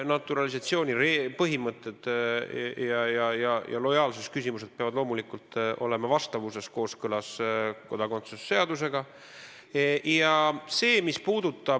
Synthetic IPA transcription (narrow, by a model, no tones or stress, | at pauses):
nɑt̪ːˑuɾɑlisɑt̪sio̞ːnʲiɾepɤɦimɤt̪ːˑed̪̥ | jɑjɑjɑjɑ̰lo̞jɑːlses̚kysimuse̞d̪̥̚peɑvɑd̪̥lo̞ːmulikult̪ʔo̞̰lemɑvɑst̪ɑvuse̞sko̞ːskɤlɑsko̞d̪̥ɑɡo̞nt̪susːe̞ɑd̪us̬e̞ɡ̥ɑ | jɑse̞ːmispuːd̪̥ut̪ˑːɑ